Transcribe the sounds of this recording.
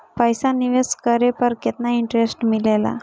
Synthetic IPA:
pəjsãniʋeskəɾepəɾket̪naiɳʈɾesʈmilela̰

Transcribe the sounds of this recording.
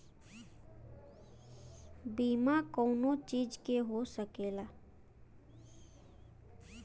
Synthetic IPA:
biːmakɔːnõt͡ʃiːd͡ʒkeɦosəkeːlaː

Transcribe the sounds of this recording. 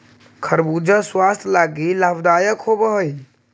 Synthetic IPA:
kʰəɾbud͡ʒaswast̪ʰlaɡilabd̪ajəkɦobəɦəj

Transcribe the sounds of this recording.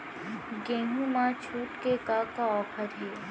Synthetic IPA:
ɡẽːnũmãt͡ʃʰuːʈkekakaɔːpʰəɾɦe

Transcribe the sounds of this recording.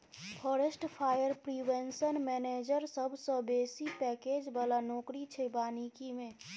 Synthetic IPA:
pʰɔːɾesʈpʰaːjəɾpɾiwensənmɛːneːd͡ʒəɾsəbʱsɔ̃beːsipɛːkeːd͡ʒbəlanɔːkɾit͡ʃʰebaːnikimẽ

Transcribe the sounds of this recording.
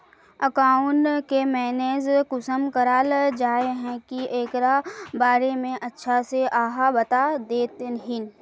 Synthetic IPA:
ɐkaːʊnkemɛːneːzkʊsəmkəɾaːld͡ʒaːeɦɛ̃kiʔeːkɾabaːɾemẽʔɐtːʃʰaseʔaːɦabɐt̪ad̪eːt̪ɦɪn

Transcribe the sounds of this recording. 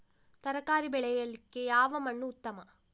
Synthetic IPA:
t̪ɐɾɐkaːɾibɛɭɛjɐlːikːe̞jaːʋɐmɐɳːuːt̪ːɐmɐ

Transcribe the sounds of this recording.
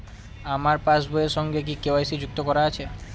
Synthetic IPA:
amaɾpasboeɾʃɔŋɡek̬ikeajsid͡ʑuk̚t̪okɔɾaat͡ɕʰe

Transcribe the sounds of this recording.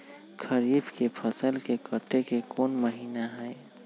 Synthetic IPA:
kʰəɾibʱkepʰəsəlkekəʈekekoːnməɦiːnaɦəe

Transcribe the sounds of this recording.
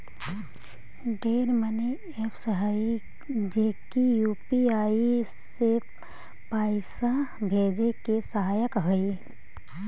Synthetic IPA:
ɖeːɾməne | epʰsəɦai | d͡ʒeːkijuːpiaːi | se | paːɪsabʱeːd͡ʒekesəɦaːjəkɦəi

